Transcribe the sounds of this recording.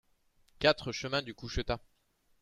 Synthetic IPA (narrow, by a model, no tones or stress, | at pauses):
kat̪χəʃəmɛ̃d̪ykuʃət̪a